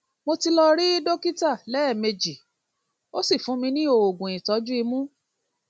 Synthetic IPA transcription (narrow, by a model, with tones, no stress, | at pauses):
mo˧ti˧lɔ˧ɾi˦do˦ki˦ta˦˨lɛ˨˦ɛ˦˨me˧d͡ʒi˨ | o˦si˦˨fũ˨˦mĩ˧nĩ˦o˨o˨ɡũ˨ĩ˨tɔ˨˦d͡ʒu˦i˧mũ˦